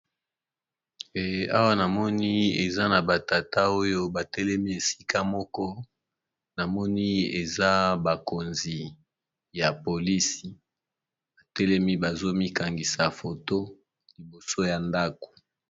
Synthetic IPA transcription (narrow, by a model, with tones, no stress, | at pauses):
e˨a˦wa˦na˨mɔ˦ni˦e˨za˦na˨ba˨ta˨ta˦o˦jo˦ba˨tɛ˦lɛ˦mi˦e˨si̥˦ka˦mɔ˦kɔ˦ | na˨mɔ˦ni˦e˨za˦ba˨ko˨nzi˨ | ja˨po˨li˦si˨ | ba˨tɛ˦lɛ˦mi˦ba˨zo˦mi˦ka˨ŋɡi˨sa˨fo˨to˦ | li˨bo˨so˦ja˨nda˦ko̥˨